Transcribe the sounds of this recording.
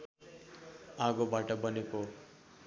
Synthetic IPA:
aɡobaʈʌbʌneko

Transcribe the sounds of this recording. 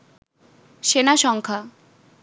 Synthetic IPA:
ʃenaʃɔŋkʰa

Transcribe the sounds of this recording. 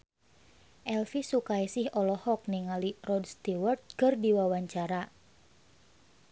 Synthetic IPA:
ʔɛlfisukajsɪhɔlɔhɔk̚niŋalirɔdst̪iwərt̪̚kərdiwawaɲt͡ʃaɾa

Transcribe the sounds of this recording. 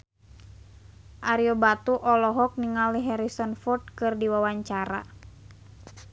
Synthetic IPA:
ʔaɾiɔbat̪uʔɔlɔɦɔk̚niŋaliɦɛɾisɔnfɔrd̚kɨrdiwawaɲt͡ʃaɾa̰

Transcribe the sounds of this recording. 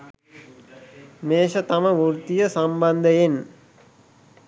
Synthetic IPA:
meːʃət̪ɐməʋuɾt̪ijəsamband̪əjen

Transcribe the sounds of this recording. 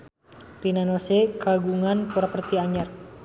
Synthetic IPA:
rinanosekaɡuŋanpuɾapərt̪iaɲar

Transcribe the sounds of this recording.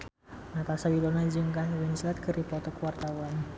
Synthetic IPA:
nat̪asawilɔnad͡ʒɨŋkaɦwɛnslat̪̚kɨripɔt̪ɔkuwart̪awan

